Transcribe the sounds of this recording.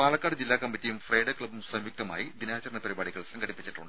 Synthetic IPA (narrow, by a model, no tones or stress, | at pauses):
paːɭɐkːaːɽɨd͡ʑilːaːkɐmːitːijumfrɐjɖɐkɭɐbumsɐmjuk̚t̪ɐma̰ːjid̪inaːt͡ɕɐrɳɐpɐɾibaːɽiɣɐɭsɐŋɡɐɽipːit͡ɕːiʈːuɳɖ